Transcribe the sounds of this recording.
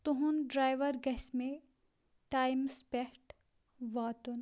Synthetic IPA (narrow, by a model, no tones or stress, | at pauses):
t̪uɦunɖɾaːjʋɐɾɡɛsmẽ | ʈaːjmspehʈ | ʋaːt̪un